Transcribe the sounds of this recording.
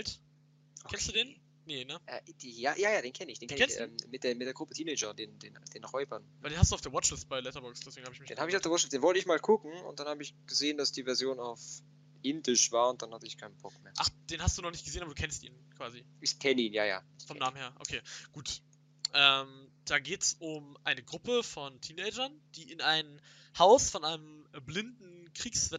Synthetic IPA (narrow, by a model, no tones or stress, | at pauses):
ɛlt | kʰɛnsd̥uːdeːn | nenəʔɛd̥ijaːjaːjaːdeːnkʰɛnəɪç̥eːnɛnkɛnʔɛ̰ːmmɪt̚d̥eːɐmɪtd̥eːɐɡʁʊpətʰiːnɛɪd͡ʒɐdeːndeːnd̥eːnʁɔʏbɐnaldeːnhastduaʊfd̥eɐwɔt͡ʃlɪstb̥aɪlɛtɐbɔksd̥ɛsveːɡŋ̩habɪçmɪdeːnhaːbəɪçaʊfd̥eɐwɔʃɪsd̥eːnvɔltəɪçmaːlkʰʊkŋ̩ʊ̰ntd̥anhaːbəɪçɡ̥əzeːəndasd̥iːvɛɐzjoːnaʊf | ʔɪndɪʃv̥aːɐʊnt̚d̥anhatəɪçkʰaɪnnb̥ɔkmeːɐʔaχd̥eːnhastd̥uːnɔχnɪçt̚ɡ̥əzeːənʔabɐduːkʰɛnstḭːnnkv̥aːziɪçkʰɛnəiːnja̰ːja̰ː | fɔmnaːməm̩nheːɐʔo̰kʰeːɡ̥uːt | ʔɛːmd̥aːɡeːtsʔʊmʔaɪnəɡʁʊpəfɔntʰiːnɛɪd͡ʒɐnd̥iːʔɪnʔaɪn | haʊsfɔnʔaɪnəmblɪndn̩kʁ̥iːksv̥ɛ